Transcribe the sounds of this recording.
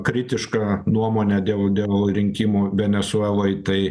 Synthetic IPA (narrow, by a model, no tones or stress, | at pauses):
kɾʲɪt̪ʲɪʃkɐnuɔmoːnʲɛd̪ʲeːlˠd̪ʲeːlˠɾʲɪŋʲkʲimuːʋʲɛnʲɛsʊɛlˠoːɪt̪ɐɪ